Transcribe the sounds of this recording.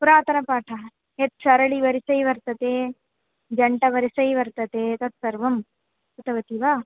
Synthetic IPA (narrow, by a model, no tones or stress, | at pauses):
puɾaːt̪ʰɐnɐpaːʈʰɐ | et̪̚sɐɾɐɭiʋɐɾisɐjʋɐɾt̪ɐt̪eː | d͡ʒɐɳʈɐʋɐɾisɐjʋɐɾt̪ɐt̪eːt̪ɐt̪sɐɾʋɐm | t̪ɐt̪ɐʋɐt̪iʋaː